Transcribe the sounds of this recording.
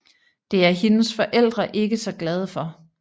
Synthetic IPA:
d̥e̝æɐɦe̝nəsfɒ̽ʔel̰d̥ʁɐʔe̝ɡ̥əsɒ̽ɡ̥lɛð̞ˠəfɒ̽

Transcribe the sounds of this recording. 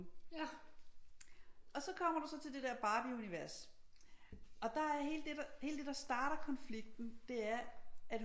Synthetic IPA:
ɒ̽sɒ̽kʰɒm̰ɐɾ̥usɒ̽t͡sʰe̝ld̥e̝deɐb̥ɑ̈ːb̥iuniʋæɐs | ɒ̽d̥ɑ̈æɐɦe̝̰ːld̥e̝dɑ̈he̝̰ːld̥e̝d̥ɑ̈sd̥ɑ̈ːɾ̥ɐkʰɒ̽nfliɡ̥̚d̥n̩d̥e̝æɐæd̥

